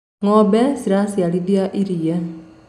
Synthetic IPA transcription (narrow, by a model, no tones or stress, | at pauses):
ŋɔːbɛsiɾasiaɽid̪ijaʔiɾijɛ